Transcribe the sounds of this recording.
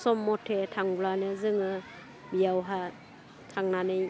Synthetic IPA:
sɔmːɔtʰetʰaŋblanɯzɯŋɯ | bijawɦa | tʰaŋnanɯj

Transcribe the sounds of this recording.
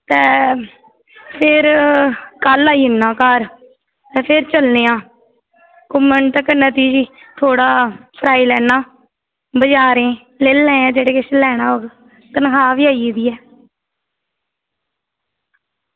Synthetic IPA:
t̪ɛː | pʰɪɾ | kəlːaːiːɦɪnːãːkəɾ | t̪ɛːpʰɪɾt͡ʃəlneːãː | komːəɳʈʈ̪əkənət̪iːd͡ʒiːt̪ʰoːɽaːpʰɾaːiːlɛːnaː | bəd͡ʒaːɾẽː | leːlːɛ̃ːãːd͡ʒeːɽeːkesəlɛːɽ̃aːoːɡ | t̪ənkaːʋiːaːiːd̪iːɛː

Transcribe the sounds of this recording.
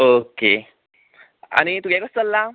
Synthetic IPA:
oke | a̰ñit̪uɡjakəst̪əlːa

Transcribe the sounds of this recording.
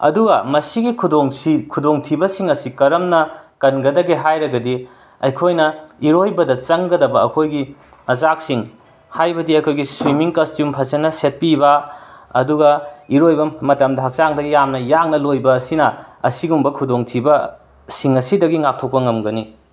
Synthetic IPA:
ɐ̰duɡɐmɐsiɡikʰudoŋsikʰudoŋtʰibɐsiŋɐsikɐɾɐmnɐkɐnɡɐdɐɡeɦajɾɐɡɐdi | ɐ̰jkʰojnɐiɾojbɐdɐt͡ʃɐŋɡɐdɐbɐɐkʰojɡi | ɐzak̚siŋ | hajbɐdiɐkʰojɡisɾimiŋkɐstjumpʰɐsɐnɐset̚pibɐɐduɡɐiɾojbɐmɐtɐmdɐɦɐk̚saŋdɐɡijamnɐjaŋnɐlojbɐːsinɐɐ̰siɡumbɐkʰudoŋtʰibɐ | siŋɐsidɐɡiŋak̚tʰok̚pɐŋɐmɡɐni

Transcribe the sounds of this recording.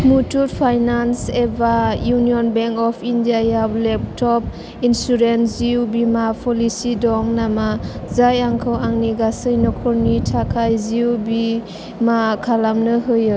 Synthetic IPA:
mutuɾpʰajnansebajuniɔnbɛŋkɔpʰindiajawlɛp̚tʰɔp̚ | insuɾenziwbimapʰɔlisidɔŋnamazajaŋkʰɯwaŋniɡasɯjnɔkʰɔɾnitʰakʰajziwbi | makʰalamnɯɦɯjɯ

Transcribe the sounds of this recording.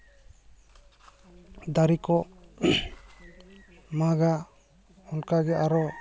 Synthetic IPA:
d̪aɾikɔ | maɡa | ɔnkaɡɛʔaɾɔ

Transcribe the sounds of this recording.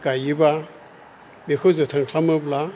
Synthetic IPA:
kajiba | mekʰozɨtʰaŋkʰlaməbla

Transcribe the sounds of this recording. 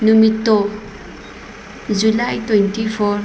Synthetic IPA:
numitːɔ | zulajtwentipʰɔɾ

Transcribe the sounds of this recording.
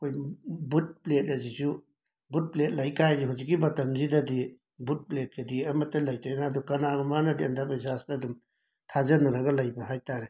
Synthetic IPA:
ɐkʰojbut̚plet̚lɐzisu | but̚plet̚lɐjkʰajziɦuzik̬ːibɐtɐmzidɐdi | but̚plet̚kɐdiɐmɐtːɐlɐjtʰajnaːdukɐnaɡɐmanɐdiandapisasdɐdum | tʰazɐnɐɾɐɡɐlɐjbɐɦajtaɾe

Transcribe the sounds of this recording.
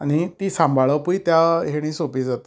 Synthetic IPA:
añit̪iːsãmbʱaɭəpuit̪jaɦeɽ̃ĩːsopiːd͡zat̪i̥

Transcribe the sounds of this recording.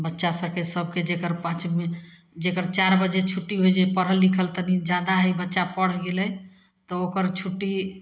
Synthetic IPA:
bətːʃasəkesəbked͡ʒekəɾpãt͡ʃme | d͡ʒekəɾt͡ʃaɾbəd͡ʒet͡ʃʰuʈːiɦojd͡ʒepəɾ̤əlːikʰəlt̪ənid͡ʒad̪aɦəjbətːʃapəɽ̤ɡelɛ | t̪ɔokəɾt͡ʃʰuʈːi

